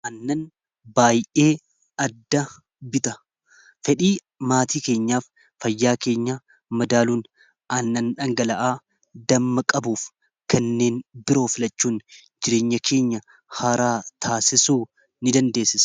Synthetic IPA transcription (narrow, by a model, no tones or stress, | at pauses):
ʔɐnːɐn | baːjʔe̞ː | ɐd̪ːɐ | bɪt̪ɐ | fɛᶑiː | maːt̪iːke̞ːɲːaːfː | ɐjːaːke̞ːɲːɐ | mɐd̪aːluːn | ɐnːɐnᶑɐŋɡɐlɐʔaː | d̪ɐmːɐkʼɐbuːf | kɐnːe̞ːnbɪɾo̞ːfɪlɐt͡ʃːuːn | d͡ʒɪɾeːɲːɐkʰe̞ːɲːɐ | haːɾaːt̪ʰaːsɪsuː | nɪd̪ɐnd̪e̞ːsːɪsɐ̥